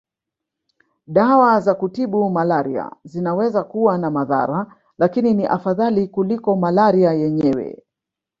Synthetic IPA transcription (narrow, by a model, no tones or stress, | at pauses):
ɗawazakutiɓumalaɾḭa̰zinawɛzakuwanamaða̰ɾa | lakininiʔafaðalikulikɔmalaɾiajɛɲɛwɛ̰